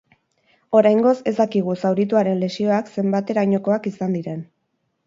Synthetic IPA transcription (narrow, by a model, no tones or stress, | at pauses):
o̞ɾajŋɡo̞se̞zd̪akiɣ̞usawɾit̪uaɾe̞nle̞sio̞akse̞mbat̪e̞ɾajɲo̞ko̞akisand̪iɾe̞n